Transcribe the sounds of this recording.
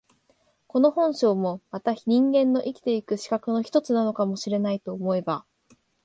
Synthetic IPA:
ko̞no̞hõ̞ɰ̃ɕo̞ːmo̞mat̪aɲ̟ĩŋɡẽ̞nːo̞ʔikʲi̥t̪e̞ikɯ̟ɕi̥kakɯ̟no̞çi̥t̪o̞t͡sɨnano̞kamo̞ɕiɾe̞nait̪o̞ːmo̞e̞ba

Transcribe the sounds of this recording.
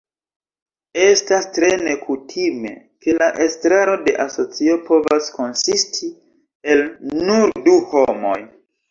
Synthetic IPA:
e̞stastɾe̞ne̞kutʰime̞̰ | ke̞laʔe̞stɾaɾo̞de̞ʔaso̞t͡sio̞po̞vasko̞nsistʰi | e̞lnuɾduhomo̞̰j

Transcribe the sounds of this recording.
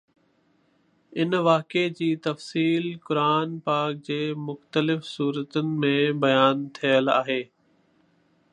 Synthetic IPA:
ɪnʋaːked͡ʑiːt̪ɐfsiːlkʊɾaːnpaːk̚d͡ʑeːmʊxt̪əlɪfsuːɾət̪ənɪ̆mẽbɐjaːnt̪ʰijəla̰ːɦeː

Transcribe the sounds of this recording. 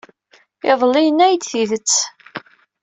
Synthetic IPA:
ɪðˤlijənːæjd̪θiðət͡sː

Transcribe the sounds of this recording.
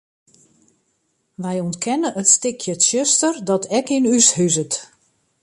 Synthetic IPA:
ʋɛjɔntkʰɛnəʔətstɪkʰjətʃøstərdɔtʰɛkinyshyzət

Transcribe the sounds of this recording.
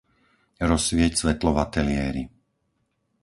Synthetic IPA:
ɾɔsʋɪɛcsʋɛt̪lɔʋat̪ɛlɪɛːɾḭ

